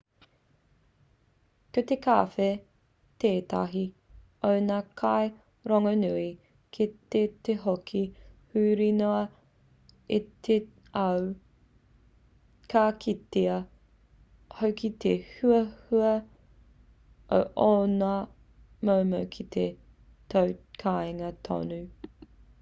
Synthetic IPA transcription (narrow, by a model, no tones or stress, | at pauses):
kɐt̪eka̰ːfe | t̪eːtɐ̰ɦi | ownaːkʰaj | ɾoŋɐnʉi | kʰit̪et̪eɦokʰihʉːɾinoɐ | it̪e | ɐw | kakʰit̪eɐ | howkʰit̪ʰehʉɐhuɐ | ʔo̰ʔona | mowmɐwkʰit̪ʰe | t̪owkʰaeŋɐt̪ʰo̰nʉ